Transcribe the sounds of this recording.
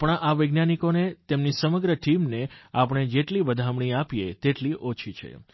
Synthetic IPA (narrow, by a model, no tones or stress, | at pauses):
pəɳaʋəɡnanikonet̪emnisəməɡɾəʈimneapəɽ̃ed͡ʒeʈlibəd̪ʱamɳ̃iapijet̪eʈliʔot͡ʃʰit͡ʃʰḛ